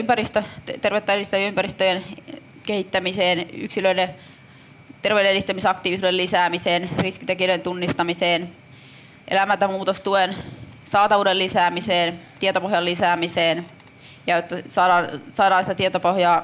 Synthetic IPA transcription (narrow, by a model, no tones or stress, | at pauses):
ympærist̪øt̪erʋet̪ːæeist̪æʋjympærist̪øjen | kehit̪ːæmiseːny̰ksiløine | t̪erʋewdeeɾist̪æmisɑkt̪iːʋisuellisæːmiseːnriskit̪ek̬iøent̪unːist̪ɑmiseːn | ʔḛlæmælt̪æmuːt̪ost̪uen | sɑːt̪ɑʋuːdellisæːmiseːnt̪iet̪opoɦjɑllisæːmiseːn | jɑjot̪ːɑsɑːdɑːnsɑːdɑːnsit̪æt̪iet̪opohjɑː